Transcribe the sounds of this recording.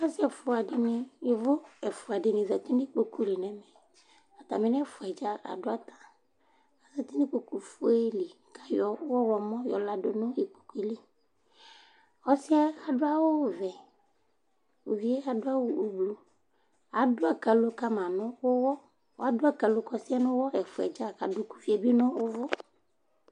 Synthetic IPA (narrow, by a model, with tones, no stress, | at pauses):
a˦si˦ɛ˨fʊ˨a˨ɖɪ˨nɪ̃˦je˨vʊ˦ɛ˨fʊ˨a˨ɖɪ˨nɪ̃˨za˨t̪i˦nɪ˦k͡po˨ku˦li˨nɛ̃˨mɛ˨ | a˨t̪a̰˨me˦nɛ˦fʊ˨a˨d͡ʒa˦a̰˨dʊ˦a˦t̪ḁ̃˨ | a˨za˨t̪i˦ni˦k͡po˨ku˨fo˦e˦li˨˦ka˦jɔ˨˦wɔ˦wɔ˨mɔ̃˦jɔ̰˨la˦do˨nʊ̃˦je˨k͡po̥˨ku˦i˨li˦ | xɔ˦si˦a˦a˨ɖʊ˦a˦wo˦˨vɛ˨ | o˨vi˨e˦a˨dʊ˦a˦wu˨o˨blu˨ | a˨dʊ˦a˨ka˨lo˦ka˦mã˨nʊ̃˦wo˦wɔ˦ | wo˨˦a˦dʊ˦a˨ka˨lo˦kɔ˨si˦a˦nʊ̃˦wɔ˦ɛ˨fʊ˨ɛ̰˨d͡ʒa˦˨ka˨do˦ku̥˦fi˨e˨bi˦nʊ̃˦wo˦vʊ˦